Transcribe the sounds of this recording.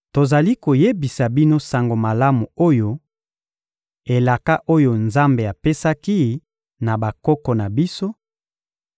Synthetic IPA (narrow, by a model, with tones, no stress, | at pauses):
to˨za˨li˦ko˨je˦bi˨sa˨bi˦no˦sa˨ŋɡo˨ma˨la˦mu˨o˦jo˦ | e˨la˨ka˦ʔo˦jo˨nza˦mbe˨a˨pe˦sa˦ki˦ | na˨ba˨kɔ˦kɔ˨na˨bi˦so˦